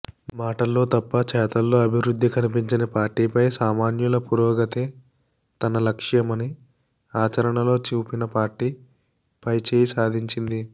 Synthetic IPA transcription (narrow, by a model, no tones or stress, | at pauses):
maːʈɐlːo̞ːt̪ɐpːɐt͡ʃɛːt̪ɐlːo̞ːɐbʱiʋɾud̪ʱːikɐnipiɲt͡ʃinɐpaːɾʈːiːpɐjsaːmaːnjulɐpuːɾɔːɡɐt̪eː | t̪ɐnɐlɐkʂjɐmɐni | aːt͡ʃɐɾɐɳɐlo̞ːt͡ʃuːpinɐpaːɾʈːiː | pɐjt͡ʃeːjisaːd̪ʱiɲt͡ʃind̪i